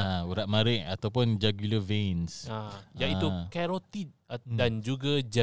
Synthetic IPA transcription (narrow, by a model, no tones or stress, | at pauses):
auɾaʔ̪̚mãɾɪʔat̪awpʊnd͡ʒaɡuləvensajait̪ukɛɾot̪idand͡ʒuɡad͡ʒa